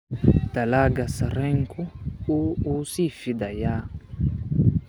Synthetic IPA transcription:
t̪alaɡasaɾɛŋkʰuuːsifid̪aja

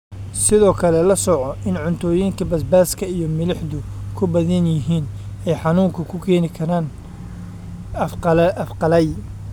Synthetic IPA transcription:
sɪðɔːkʰɐlɛlɐsɔʕɔʔɪnʕʊnt̪ʰɔːjiŋkʰɐbɐsbaːskʰɐijɔmɪlɪħðʊkʰʊbɐðɪnjɪɦiːn | ɛjħɑnuːŋkʰɐkʰʊkʰɛːnɪkʰɐɾaːn | fɐfqɑlɛj

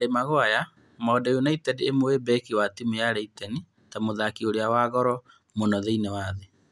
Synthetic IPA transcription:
ɾemaɣwaja | mɔːdajonaitɛdeːmowebɛkiwatimujaɾɛitɛni | tamoðakioɾeawaɣɔɾɔ | monɔðeinewaːðe

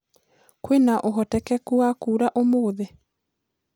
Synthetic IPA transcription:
kwenaʔoɦɔtɛkɛkuakuːɾaʔomoːðe

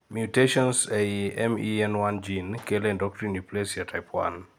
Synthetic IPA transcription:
mjuteʃɔ̃nsejɛmiɛ̃nwãnd͡ʒinkɛlɛ̃ndɔk̚tɹĩniplesiatʰajpʰwã̰n

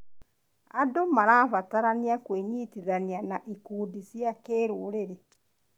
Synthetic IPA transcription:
adomaɾaːβataɾaniakweɲiːtiðanianaʔikuːdisjakeɾuːɾeɾe

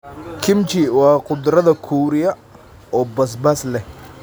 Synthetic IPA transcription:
kʰɪmt͡ʃɪwɑːqʊd̪rɐðɐkʰuːɾɪjɐ | ɔːbɐs̬bɐslɛ

